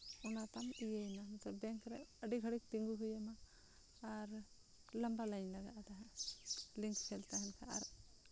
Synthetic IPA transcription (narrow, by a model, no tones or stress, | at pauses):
ɔnat̪amijejnanɔt̪ɔbɛŋkɾɛəɖiɡʱəɽik̚t̪iŋɡuɦujamaː | ɾ | lambalaɲlaɡaʔt̪aɦɛ̃ | liŋkt͡ʃʰɛlt̪aɦɛnkʰaa̰ɾ